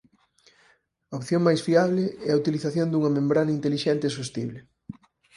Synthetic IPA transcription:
ɐopθjoŋmajsfiaβlɪɛɐut̪iliθaθjond̪uŋɐmẽmbɾanɐint̪eliʃɛnt̪ɪsost̪iβlɪ

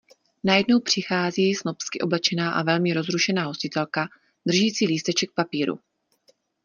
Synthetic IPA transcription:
najɛdno̞wpr̝̥ɪxaːziːsno̞pskɪʔo̞blɛt͡ʃɛnaːʔa̰vɛlmɪɾo̞zɾuʃɛnaːɦo̞scɪt̪ɛlka | d̪r̩ʒiːt͡siːliːst̪ɛt͡ʃɛk̚papiːɾṵ

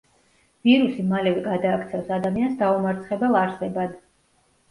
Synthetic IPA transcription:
v̥iɾusimalɛvɛɡad̪aːkʰt̪sʰɛfsad̪amiansd̪aumaɾt̪sʰχɛbɛlˠaɾsɛbad̪

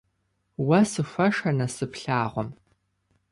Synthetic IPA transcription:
wɐsɨfʷɐʂɐnɐsɨpɬaːʁʷɔm

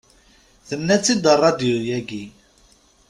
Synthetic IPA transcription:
θənːæt͡sːid̪ərˤɑd̪iujæɡi

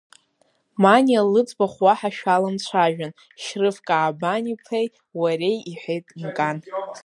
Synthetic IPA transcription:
manialɨt͡sʼbaχwaħaʃᶣalant͡ɕʷʰaʒᶣan | ʃrɨfkʼaːbanipʰej | waɾejiħʷejtʼinkʼan

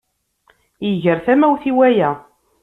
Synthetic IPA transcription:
jəʝəɾθæmæwθiwæjæ

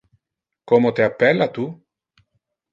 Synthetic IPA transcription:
komot̪eapːɛlːat̪u

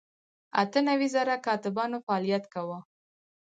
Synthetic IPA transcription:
a̰t̪ənawizaɾakɑt̪ɪbɑnofaɑlijat̪kawə

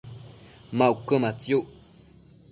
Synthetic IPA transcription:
maʔukəmat͡sjuʔ

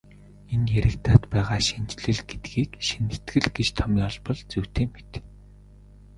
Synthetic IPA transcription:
enjeɾʲɪ̆kt̪ʰaːt̪pæːʁaːʃint͡ɕɮɘ̆ɮɡet̪ɡiːkʃinɘ̆t̪ɡɘ̆ɮɡet͡ɕt̪ʰɔmiːɔɮpɞ̆ɮt͡suwt̪ʰeːmet̪

